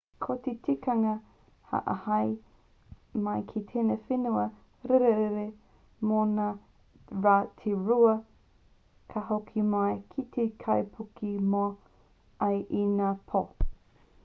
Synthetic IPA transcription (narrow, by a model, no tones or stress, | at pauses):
kʰot̪etikɐŋɐ | hɐ̰ʔɐhɐj | mɐjkʰit̪ʰeːnɐfenuɐ | ɾeɾeɾeɾe | mona | ɾaːtʰeɾuɐ | kʰɐhokʰimajkʰit̪ʰekʰɐjpʰukimo | ɐjʔinaːpʰo